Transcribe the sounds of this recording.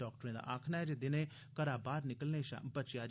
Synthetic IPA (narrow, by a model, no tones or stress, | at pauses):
ɔːk̚ʈəɾẽːd̪a̰ʔaːkʰnaɦɛd͡ʒed̪ɪnẽː | kəɾaːbaːɾnɪkəlneːʃã̰bət͡ʃjaːd͡ʒ